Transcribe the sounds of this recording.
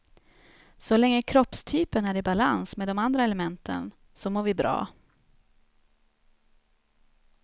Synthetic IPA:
sɔlɛŋːəkʰɾɔpst̪ʰyːpənæɾɪbala̰nsmeːd̪ɔmand̪ɾaɛləmɛnt̪ʰə̰n | sɔmoːɾvɪbɾɑ̰ː

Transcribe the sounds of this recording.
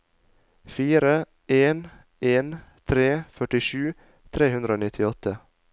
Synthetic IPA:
fiːɾə | ʔeːn | eːnt̪ʰɾeːfœʈɪʃʉː | t̪ʰɾeːhʉnd̪ɾəoːnɪt̪ʰɪɔt̪ʰə

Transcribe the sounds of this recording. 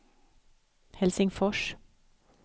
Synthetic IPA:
hɛlsɪŋfɔʃ

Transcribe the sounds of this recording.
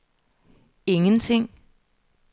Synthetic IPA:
e̝ŋənt͡sʰe̝ŋ̰

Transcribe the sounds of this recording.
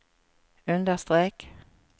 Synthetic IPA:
ʉnd̪əst̪ʁeːk

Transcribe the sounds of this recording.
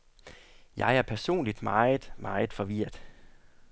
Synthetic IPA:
jɑ̈ɪæɐpʰæɐso̝̰ːnlid̥mɑ̈ɪð̩ˠmɑ̈ɪð̩ˠfɒ̽ʋiɐ̰d̥

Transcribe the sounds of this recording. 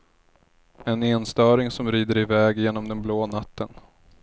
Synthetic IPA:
ɛneːnst̪œːɾɪŋsɔmɾiːd̪əɾɪvɛːɡjeːnɔmd̪ɛnbloːnat̪ːən

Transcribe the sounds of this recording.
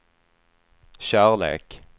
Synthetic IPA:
ʃæːʁlḛːk

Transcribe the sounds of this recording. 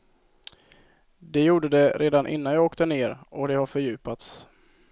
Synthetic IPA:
d̪ɛjuːɖəd̪ɛɾʔeːd̪anʔɪ̰n̪ːanjɑːɡoːkt̪əneːɾɔd̪ɛhaɾfœɾjʉ̟ːpat̪s

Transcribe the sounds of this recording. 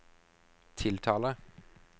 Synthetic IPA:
t̪ʰɪlt̪ʰɑːlə

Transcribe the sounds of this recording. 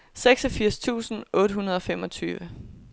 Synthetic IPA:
seɡ̥sɒ̽fiɐ̰st͡sʰṵːsn̩ʔɔ̽ːɾ̥əɦunɐð̞ˠɒ̽femɒ̽t͡sʰyːʋə

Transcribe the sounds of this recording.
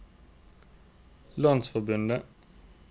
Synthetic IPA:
lɑnsfɔʁbʉnd̪ə

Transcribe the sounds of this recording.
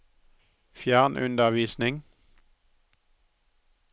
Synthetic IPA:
fjæʁnʔʉ̰nd̪əʁʋiːsnɪŋ

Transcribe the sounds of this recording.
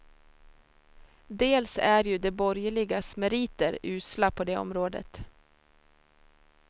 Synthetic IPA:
d̪eːlsæɾjɵd̪ɛbɔɾjəɭɪɡasmɛɾiːt̪əɾʉ̟ːslapʰɔd̪eːɔ̰mɾoːd̪ə̰t̪

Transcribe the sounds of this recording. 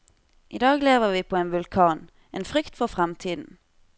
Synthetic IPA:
ʔiːd̪ɑːɡleːʋəʁʋiːpʰoːeːnʋʉlkʰɑːn | ʔeːnfʁʏkt̪fɔʁfʁɛmt̪ʰiːd̪n̩

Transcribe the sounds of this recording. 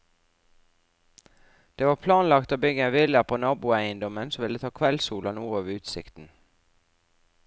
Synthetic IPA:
d̪̥eːʋɑːpʰlɑːnlɑkt̪oːbʏɡəenʋɪləpʰoːnɑːbuæɪənd̪ɔmənsoːʋɪlət̪ʰɑːkʰʋɛlsuːlɑnuːoːʋəʉːt̪sɪ̰kt̪n̩

